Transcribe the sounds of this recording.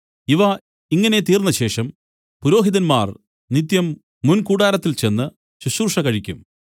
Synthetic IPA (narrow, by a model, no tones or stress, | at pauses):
iʋɐ | iŋːɐne̞t̪iːrnːɐɕe̞ːʂɐm | puɾo̞ːɦiðɐnmaːr | nit̪jɐmː | unkuːɽaːɾɐt̪ːilt͡ɕe̞nːɨ | ɕuɕuːrʂɐkɐɻikʲːum